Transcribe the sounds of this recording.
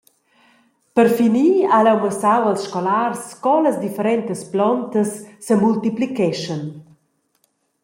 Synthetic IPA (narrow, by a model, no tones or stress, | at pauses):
pəɾfiniːalɛwməsawalsʃkɔlarskɔləsd̪ifəɾɛnt̪əsplɔnt̪əsːəmult̪iplikɛʃən